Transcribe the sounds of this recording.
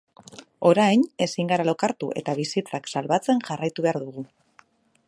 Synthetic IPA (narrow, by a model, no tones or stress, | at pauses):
o̞ɾajne̞siŋɡaɾalo̞kaɾt̪uʔe̞̰t̪aβ̞isit͡saksalβat͡se̞nʝarajt̪uβe̞aɾðuɣ̞u